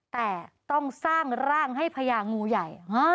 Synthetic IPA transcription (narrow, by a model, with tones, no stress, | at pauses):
t̪ɛː˨˩t̪ɔ˥˩ŋsaː˥˩ŋɾaː˥˩ŋɦa˥˩jpʰa˧jaː˧ŋuː˧ja˨˩ja˦˥